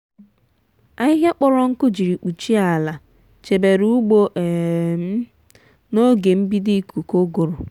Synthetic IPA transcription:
a˦ɪ˦ɦja˦k͡pɔ˦lɔ˦ŋ̩˦kʊ˦d͡ʒi˨ɾi˨k͡pu˨t͡ʃi˦a˨la˨ | t͡ʃe˨be˨ɾu˦u˦ɡ͡bo˦ʔ | no˦ɡe˨m̩˦bi˦di˦ku˨ko˦ɡo˨ɾo˨

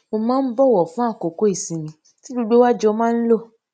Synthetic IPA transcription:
mo˧mãː˦n̩˦bɔ˦˨wɔ˨fũ˦a˦˨ko˨ko˨˦i˦˨sĩ˨mĩ˧ | ti˦du˦ɡ͡bo˦wa˦d͡ʒɔ˧mãː˦n̩˦lo˦˨

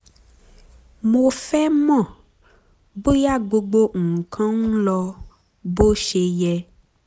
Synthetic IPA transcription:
mo˨fɛ˦mɔ̃˦˨ | bo˦ja˦ɡ͡bo˨ɡ͡bo˦ŋ̩˨kʰã˦ŋũ˦lɔ˦ | bo˦ʃe˨jɛ˦

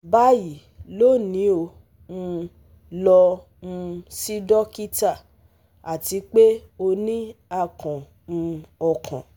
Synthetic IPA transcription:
ba˦ji˨ | lo˦˨nĩ˨˦o˧˨ | ũ˧ | lɔ˧ | ũ˧si˦dɔ˦ki˦ta˦˨ | a˨ti˨˦k͡pe˦o˧nĩ˦a˧˨kɔ̃˨ | ũ˧ɔ˧kʰã˨

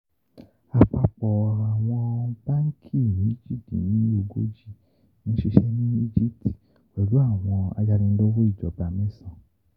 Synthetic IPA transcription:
a˨k͡pa˧k͡pɔ˨a˨w̃ɔ̃˧ba˦ŋ̩˦kʰi˦˨nĩ˨˦i˦d͡ʒi˦ti˨nĩ˨˦o˦˨ɡo̰˨˦d͡ʒi˦˨ | nĩ˨˦ʃe˧ʃɛ˦nĩ˦i˦d͡ʒi˦p̚ti̥˨ | wɛ˨lu˨˦a˦˨w̃ɔ̃˧a̰˧d͡ʒa˧ɾĩ˧n̩˦lo˦wo˦i˦˨d͡ʒɔ˨ba˨mĩ˦˨sã˨

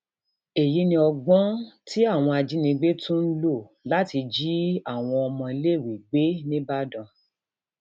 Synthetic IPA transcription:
e˨ji˨˦nĩ˧ɔ˧ɡ͡bɔ̃˦ti˦a˦˨w̃ɔ̃˧a˧d͡ʒi˨˦nĩ˧ɡ͡be˦tũ˦n̩˦lo˦˨la˦ti˧d͡ʒi˦a˦˨w̃ɔ̃˧ɔ˧mɔ̃˧i˧˦le˦˨wi˨ɡ͡be˦nĩ˦ba˦dã˧

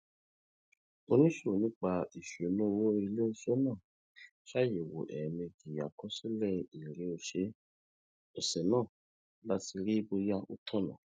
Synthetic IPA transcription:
o˧nĩ˦ʃo˦˨nĩ˦k͡pa˧i˨ʃu˨o˨˦nũ˦o˧wo˦i˧le˦o˧˦so˦nãː˦˨ | ʃa˦je˨wo̰˨ʔɛ̰˨mẽ˧ɡi˨a̰˨kɔ˦si˦lɛ˦˨i˨ɾe˨˦o˧ʃe˧˦ | o˨sɛ˨nãː˦˨ | la˦ti˧ɾi˦bo˧ja˦o˧tʰɔ˦˨nã̰˨

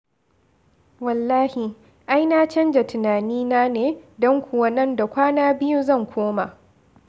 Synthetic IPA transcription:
wɐ˨lːaː˦hi˨ | ʔa˦jnaː˦t͡ʃɐ˦nd͡ʒa˨tʊ˨naː˨niː˦naː˦neː˨dɔ˦ŋkʷʊ˨wɐ˦nɐ˦nda˨kʷaː˦naː˦bɪ˦ju˦zɐ˦˨ŋkʷʰoː˦ma˨ʔ

